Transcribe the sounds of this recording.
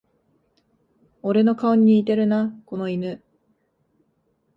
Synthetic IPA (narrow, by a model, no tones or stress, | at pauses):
o̞ɾe̞no̞kaoɲ̟ːiːt̪e̞ɾɯ̟nako̞no̞inɯ